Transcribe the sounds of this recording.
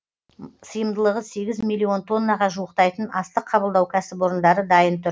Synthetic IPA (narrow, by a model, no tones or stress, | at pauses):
səjəmd̪əlˠəʁəse̞ɡʲɪzmʲilʲːio̞nt̪ʰo̞nːɑʁɑʒuəqt̪ɑjt̪ənɑst̪əqʰːɑbəlˠd̪ɑwkʲʰæsɪbo̞ɾənd̪ɑɾəd̪ɑjənt̪ʰʊɾ